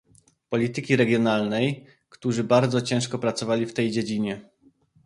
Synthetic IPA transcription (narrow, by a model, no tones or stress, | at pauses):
pɔlʲit̪ɘkʲiɾɛɡʲjɔnalnɛj | kt̪uʐɘbaɾd̪zɔt͡ɕɛ̃ʂkɔpɾat̪sɔvalʲift̪ɛjd͡ʑed͡ʑiɲɛ